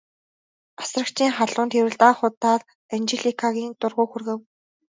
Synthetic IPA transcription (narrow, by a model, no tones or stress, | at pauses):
ḁsrə̆kt͡ɕʰiːŋχaɮʊːnt̪ʰeɾɘ̆ɮt̪aːχʊt̪ːaːt̪ | ant͡ɕeɮikʰaɣʲiːnt̪ʊrʁʊːxurɣɘ̆w